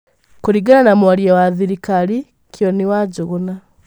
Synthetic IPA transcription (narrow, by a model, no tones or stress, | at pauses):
kuɾiɡaɾanamuwaliawaðiɾikali | kjoniwaɟuɣuna